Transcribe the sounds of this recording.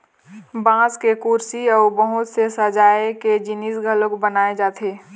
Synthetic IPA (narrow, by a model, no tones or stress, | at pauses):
bãːskekuɾsiɔːɾbəɦʊt̪sesəd͡ʒaːeked͡ʒinisɡʱəlokbənaːed͡ʒaːt̪ʰeː